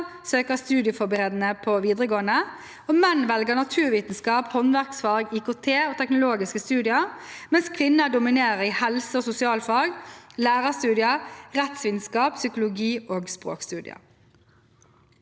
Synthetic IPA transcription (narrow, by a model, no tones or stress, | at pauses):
søːkəʁst̪ʉːd̪ɪəfɔbəʁeːd̪n̩əpʰoʋiːd̪ʁəɡoːənə | oːmɛnʋɛlɡəɳɑt̪ʰʉːʋiːt̪n̩skɑːphɔnʋæʁksfɑːɡikʊːt̪ʰeːoːt̪ʰɛknʊloːɡɪskəst̪ʉːd̪ɪəmɛnskʰʋɪnːəd̪ʊmɪneːʁəɾiːhɛlsəoːsʊsɪɑːlfɑːɡlæːʁəst̪ʉːd̪ɪəʁɛt̪sʋiːd̪nskɑːpsʏkʊlʊɡiːoːɡspʁo̰ːkst̪ʉːd̪ɪ̰ə̰